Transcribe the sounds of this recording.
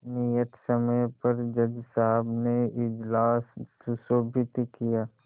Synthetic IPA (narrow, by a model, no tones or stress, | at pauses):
nijət̪səməjpɐɾd͡ʒəd͡ʒsaɦəbneɪd͡ʒlaːsːʊsoːbʱɪt̪kijaː